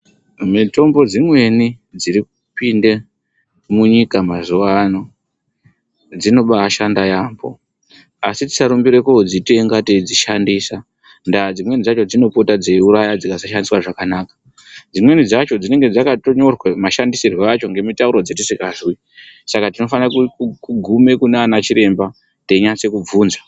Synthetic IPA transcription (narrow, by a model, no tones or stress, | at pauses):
mito̞mbo̞d͡zimwe̞ni | d͡ziɾikupinde̞ | muɲikamazuʋano̞ | d͡zino̞ɓaːʃandajaːmbo̞̰ | asiti̥saɾumbiɾekod͡ziteŋɡated͡ziʃandisa | ndad͡zimwe̞nid͡zat͡ʃo̞d͡zino̞po̞tad͡zeuɾajad͡zikasaʃandiswaʐakanaːkḁ | d͡zimwe̞nid͡zat͡ʃo̞d͡zine̞ŋɡe̞d͡zakato̞ɲo̞rwamaʃandisirweat͡ʃo̞ŋɡe̞mitauɾo̞d͡zetisikaʐwi | sakatino̞fanakukuɡʱume̞kunːnat͡ʃiɾe̞mba | te̞ɲat͡se̞kub͡vuːnza